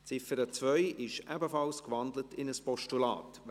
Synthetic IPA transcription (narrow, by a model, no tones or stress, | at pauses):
t͡sɪfəɾət͡svœʏɪʃɛ̰bəfɑlskʋɑndlətɪnəspɔʃtulɑ̰ːt